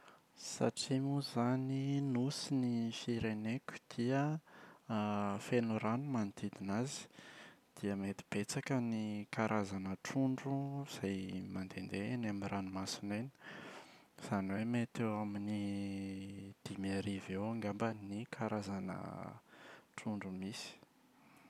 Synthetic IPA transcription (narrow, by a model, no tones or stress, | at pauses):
sa̰ʈ͡ʂimuzaninusinifiɾenekʲu̥d̪̥iə | fenuɾanumant̪id̪inazi̥d̪̥iəmet̪i̥b̥et͡sakənikaɾʔazanəʈ͡ʂuɳɖ͡ʐuz̥ajmand̪end̪enamiranumasinajni̥ | z̥aniwemet̪ewamini | d̪̥imaɾivewaŋɡambənikʰaɾazanə̰ | ʈ͡ʂuɳɖ͡ʐumisi̥